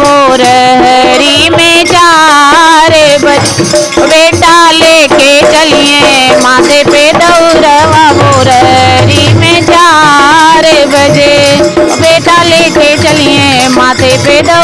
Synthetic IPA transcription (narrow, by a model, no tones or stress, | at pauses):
oːɾɦəɾiːmẽd͡ʒaː | ɾebə | beːʈaːleːket͡ʃəliːẽː | mãːt̪ʰepeːd̪əɾəʋaʋoːɾəɾiːmẽːd͡ʒaːɾebəd͡ʒebeːʈaːleːket͡ʃəliːẽː | mãːt̪ʰepeːd̪ə